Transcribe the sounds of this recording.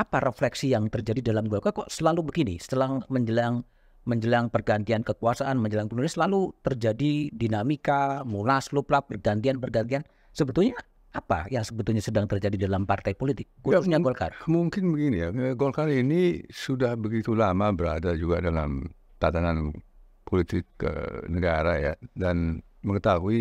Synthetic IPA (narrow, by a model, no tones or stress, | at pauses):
ʔapaɾʔeflɛksijaŋt̪ərd͡ʒadidalamɡolkarkɔʔsəlalubəɡinisə̥t̪əlaŋməɲd͡ʒəlaŋ | məɲd͡ʒəlaŋpərɡant̪iankəkuasaʔanməɲd͡ʒəlaŋkulunasəlalut̪ərd͡ʒadidinamikamulasluplap̚ːərɡant̪ianpərɡant̪̬ian | səbət̪ulɲa | apajaŋsəbət̪ulɲasədaŋt̪ərd͡ʒadidalampart̪ajpolit̪ɪk̚kuausɲaɡolkarmuŋkɪnbəɡinijaɡolkalinisudahbəɡit̪ulamabəɾa̰dad͡ʒuɡadala̰m | t̪at̪anan | polit̪ɪkːə̰nəɡaɾajadan | məŋət̪aɦui